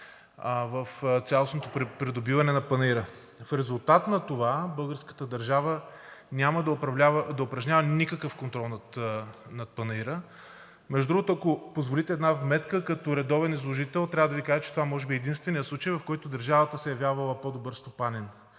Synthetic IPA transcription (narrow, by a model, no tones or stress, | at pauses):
vɐft̪sʲalˠosnot̪opɾɛpɾid̪obivɐnɛnɐpɐniɾə | fɾɛzʊlˠt̪at̪nɐt̪ovabɤlˠɡəɾskə̥t̪əd̪ɐɾʒavə | nʲamɐd̪ɐpɾɐvlʲavəd̪ɐopɾɐʒnʲavənikəkəfkont̪ɾɔlˠnɐt̪nɐt̪̚pɐniɾə | mɛʒd̪ʊd̪ɾuɡʊt̪oɐkopozvolit̪ɛːd̪navmɛt̪kəkɐt̪oɾɛd̪ɔvɛnizlˠoʒit̪ɛlˠt̪ɾʲavəd̪ɐvikaʒət͡ʃɛ̥t̪ovamɔʒɛbiɛːd̪inst̪vɛnʲijətslˠut͡ʃəjvɐfkɔjt̪ʊd̪ɐɾʒavət̪əsɛjɐvjaɾvɐlˠəpod̪obɤɾst̪opanɛn